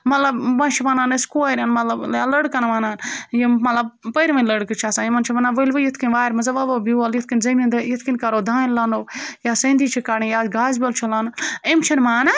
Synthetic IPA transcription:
mɐt̪lɐbʋɐnt͡ʃʰiʋanaːneskoːjɾʲaːnmɐt̪lɐblaːlɐɽkɐnɐʋaːnaːnjimmɐt̪lɐb̚pəɾʋɐ̃nʲlɐɽkɨt͡ʃʰaːsãːjimɐnt͡ʃʰiʋɐnaːnʋɐlʲʋɐjit̪ʰkinʲʋaːjɾmɐzɐʋaʋɐbialjit̪ʰkinʲzɐmʲind̪ɐjit̪ʰkinʲkaɾoːd̪ʱaːnlaːnojaːsɐ̃ːnd̪iːt͡ʃʰikaːɽijaːɡaːzbʲolt͡ʃʰɐlaːnɐmt͡ʃʰɐnmaːn

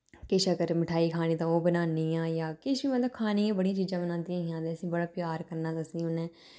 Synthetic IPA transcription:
kɪʃəɡəɾmɪʈʰaːiːkʰaːnĩːd̪ãːoːbənaːniːjãːjaːkɪʃʋiːmət̪ləbkʰaːniːãːbəɽijãːt͡ʃiːzãːbənãːnd̪ijãːɦɪjãːd̪eːəsĩːbəɽaːpɪjaːɾkəɾnaːd̪əsniːʊnɛ̃ː

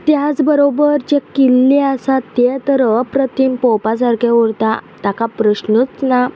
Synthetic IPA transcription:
t̪jat͡sbəɾobəɾt͡ɕekilːeasat̪jet̪əɾəpɾət̪ʰimpɔpas̬aɾkeuɾt̪at̪akapɾəɕnət͡sna

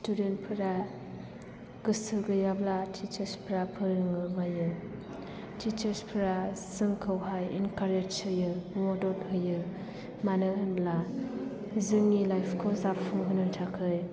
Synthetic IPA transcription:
student̚pʰɯɾa | ɡ̥ɯsɯɡɯjablatʰit͡ʃəɾspʰɾapʰɯɾɯŋɯmajɯ | tʰit͡ʃəɾspʰɯɾaz̥ɯŋkʰɯwɦajinkaɾed͡ʒsɯjɯmɔdɔt̚hɯjɯ | manɯɦɯnbla | zɯŋilajpʰkʰozapfʰuŋɦɯnɯtʰakʰɯj

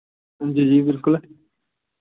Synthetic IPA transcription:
d͡ʑid͡ʑiːbɪlkʊl

